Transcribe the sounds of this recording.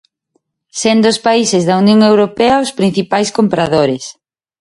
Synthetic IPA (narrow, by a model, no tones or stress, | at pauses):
send̪ʊspaisɪzðɐunjõŋewɾopeɐospɾin̟θipajskompɾaðoɾes